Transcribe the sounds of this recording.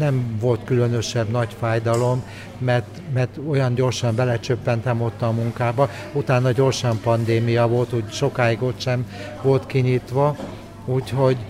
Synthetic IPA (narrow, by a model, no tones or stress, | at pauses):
nɛmvo̞lt̪kylønøʃɛbnɒcfaːjd̪ɒlo̞mː | ɛrt̪mɛrt̪o̞jɒnɟo̞rʃɒmbɛlɛt͡ʃøpːɛnt̪ɛmo̞t̪ːɒmuŋkaːbɒ | ut̪aːnːɒɟo̞rʃɒmpɒnd̪eːmijɒvo̞lt̪uːɟʃo̞kaːiɡot̪ʃɛm | vo̞lt̪kiɲiːt̪ʋɒ | uːcho̞ɟ